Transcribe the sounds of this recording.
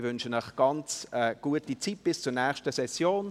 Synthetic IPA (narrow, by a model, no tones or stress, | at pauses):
vʏnʃənɔχɡ̥ɑnt͡səɡ̥uətit͡sit̚b̥ɪst͡sunɛːʃtəsɛsjoːn